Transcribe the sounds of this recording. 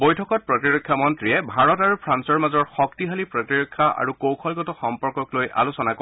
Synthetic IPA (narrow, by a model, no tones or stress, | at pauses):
bɔjtʰɔkɔt̚pɹɔtiɹɔkʰːjamɔntɹiɛbʱaɹɔtaɹupʰɹansɔɹmazɔɹxɔktiɦalipɹɔtiɹɔkʰːaʔa̰ɹukokʰɔlɡɔtɔxɔmpɔɹkɔklojʔa̰lusɔnako